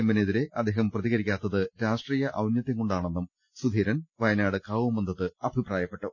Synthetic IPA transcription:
emːɐneðiɾe̞ʔɐd̪ːeːɦɐmprɐðiɣɐɾikʲːaːt̪ːɐðɨɾaːʂʈriːjɐʔɐwnjɐt̪ːeŋkoɳɖaːɳe̞nːum | sud̪ʱiːɾɐnʋɐjɐnaːɽɨkaːʋumɐnd̪ɐðɨɐbʱipraːjɐpːe̞ʈːu

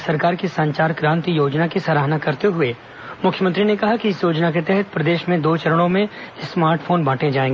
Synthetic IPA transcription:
sɐɾkaːɾkisɐ̃ɲt͡ʃaːɾkɾãːnt̪ijoːd͡ʒnakisaɾaːɦnakɐɾt̪eɦʊeː | mʊkʰjəmə̃nt̪ɾinekɐɦakiɪsjoːd͡ʒnak̬et̪ɛɦɛt̪̚pɾɐd̪eːʃmẽd̪oːt͡ʃɐɾəɽ̃õmẽsmaːɾʈfʰoːnbʱaːʈẽd͡ʒaːẽːŋɡeː

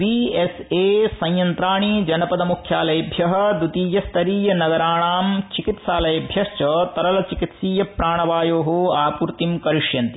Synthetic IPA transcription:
bieseːsɐ̃jjɐnt̪ɾaːɳid͡ʒɐnɐpɐd̪ɐmukʰjaːlɐjɐbʱjɐɦɐ̆d̪ut̪iːjɐst̪ʰɐɾiːjɐnɐɡɐɾaːɳaːmt͡ʃikit̪ʃaːlɐjɐbʱjɐst͡ʃɐt̪ɐɾɐlɐt͡ʃikit̪siːjɐpɾaːɳɐʋaːjoːɦoaːpuɾt̪imkɐɾiʂjɐnt̪i̥

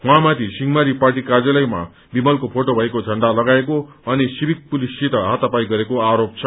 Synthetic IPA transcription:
ɦwãmat̪ʰisiŋmaɾiparʈikad͡zʌlʌjma̰ | bimʌlkopʰoʈobʱʌekod͡zʱʌɳɖalʌɡaeko | ʌnisibik̚pulisːit̪ʌɦat̪ʌpajɡʌɾekoaɾop̚t͡sʰʌ

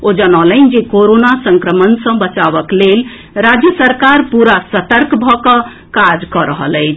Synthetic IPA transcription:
od͡ʒənɔlənd͡ʒekoɾonasəŋkɾəmənsə̃bət͡ʃaβəklel | ɾad͡ʒjəsəɾkaɾpuɾasət̪əɾkbʱɔkʌ | kad͡ʒkʌɾəɦə̰ləɪt͡ʃʰ

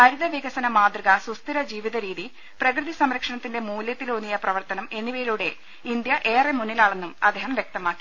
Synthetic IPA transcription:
ɐɾuðɐʋiɡɐsɐnɐmaːd̪rɨɣɐsust̪iɾɐd͡ʑiːʋiðɐɾiːði | prɐkrɨðisɐmɾɐkʂɐɳɐt̪ːinde̞muːljɐt̪ːilonːijɐprɐʋɐrt̪ɐnɐme̞nːiʋɐjiluɽe̞ | ind̪jɐʔe̞ːremunːilaːɭe̞nːumɐd̪ʱeɦɐmjek̚t̪ɐmaːkːi̥

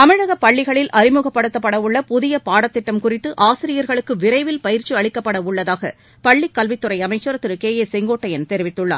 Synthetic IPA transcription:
t̪ɐmɪɻɐɣɐpːɐɭːɪɣɐɭɪlʔɐɾɪmʊɣɐpːɐɽɯt̪ːɐpːɐɽɐʋʊɭːɐpʊðɪjɐpaːɽɐt̪ːɪʈːɐmkʊrɪt̪ːɯʔaːsɪɾɪjɐɾɣɐɭɯkːɯʋɪɾɐɪʋɪlpɐjɪɾt͡ʃɯɐɭɪkːɐpːɐɽɐʊɭːɐðaːɣɐ̰ | pɐɭːɪkːɐlʋɪt̪ːɯrɐɪɐmɐɪt͡ʃːɯɾɐt̪ːɯɾɯkeːjeːsɛŋɡoːʈːɐjɐnt̪ɛɾɪʋɪt̪ːɯɭːa̰ːɾ

